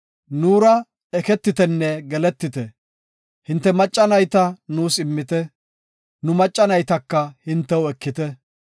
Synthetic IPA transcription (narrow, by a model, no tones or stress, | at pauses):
nuːɾɐ | ɛkɛt̪ːɪt̪ɛnːɛɡɛlɛt̪ːɪt̪ɛ | hɪnt̪ːɛmɐt͡ʃʼːɐnɐjt̪ɐnuːsɪmːɪt̪ɛ | nʊmɐt͡ʃʼːɐnɐjt̪ɐkːɐhɪnt̪ːɛwɛkːɪt̪ɛ